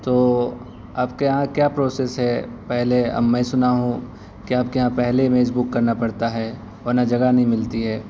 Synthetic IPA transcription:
t̪oː | aːpkeɦãkjaːpɾoːseːsɦɛpɛɦleɐ̰mːɛ̃sʊnaɦũ | kiaːp̚keɦãpɛɦlemeːs̬bukːɐɾnapɐɽt̪aɦɛː | ɔːɾnad͡ʒɐɡanɐɦĩmɪlt̪iɦɛː

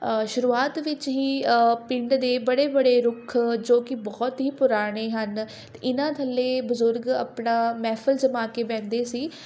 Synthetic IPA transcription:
ʃʊɾuːaːt̪ʋɪt͡ʃɦiːpɪɳɖd̪eːbəɽeːbəɽeːɾʊkʰːd͡ʒoːkɪbɔːt̪ɦiːpʊɾaːɽ̃eːɦən | t̪ːɪnãːt̪ʰəlːeːbʊzʊɾɡa̰ːpɳaːmɛːpʰəlzəmaːkeːbɛ̃ːkd̪eːsiː

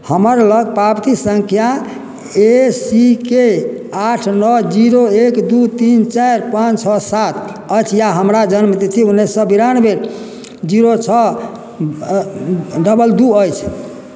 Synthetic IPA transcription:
həməɾləɡ̚pabt̪isəŋkʰja | esike | aʈʰnɔd͡ʒiɾoekd̪ut̪int͡ʃaɾpãt͡ʃt͡ʃʰɔsat̪ʰ | əjt͡ʃʰjaɦəmɾad͡ʒənmd̪et͡ʃ̪ʰiunːesːəbiɾanbeɾ | d͡ʒiɾot͡ʃʰɔ | ɖəbəld̪uəjt͡ʃʰ

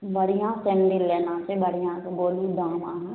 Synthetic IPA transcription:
bəɽijãsɛnɖɪlːeːnãːsebəɽijãkeboːlid̪ãːmãːɦ

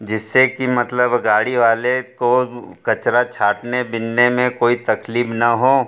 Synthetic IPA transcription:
d͡ʒɪsːekimɐt̪ləbɡaːɽiʋaːlekokɐt͡ʃɾat͡ʃʰaːʈnebɪnːemẽkoːit̪ɐkliːbnɐɦoː

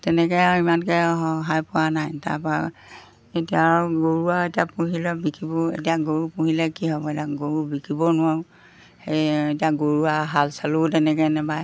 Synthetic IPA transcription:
tɛnɛkɛimankɛɦɔɦajpʊwanajta̰pɔa | etijaɡoɹuaetiapuɦilɛbikʰibɔḛtijaɡoɹupũɦilɛkiɦɔbɔetaɡoɹubikʰibɔnʊwaɹʊ | hejetijaɡoɹuaɦalsalutɛnɛkɛnɛbaj

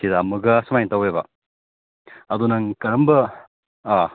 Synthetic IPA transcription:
kidamuɡɐsɐmajntawebɐ | ɐd̪unɐŋkɐɾɐmbɐ

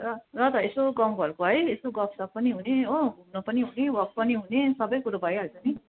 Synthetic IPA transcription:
rʌrʌt̪ʌesoɡʌmbʱʌrkoɦʌjesoɡʌpsʌpːʌniɦuneounʌpʌniɦunewʌk̚pʌniɦunesʌbʌjkuɾobʱʌjɦʌlt͡sʌni

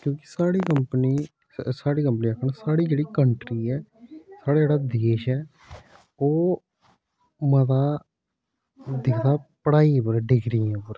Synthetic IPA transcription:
kjõːkɪ̥saːɽiːkəmpəniː | saːɽiːkəmpniːakʰəɳsaːɽiːd͡ʒeːɽiːkəɳʈɾiːɛːsaːɽaːd͡ʒeːɽaːd̪eːʃɛː | oː | mət̪aː | d̪ɪkʰd̪aːpəɽaːiːpəɾɛɖɪɡɾiːɛpəɾ

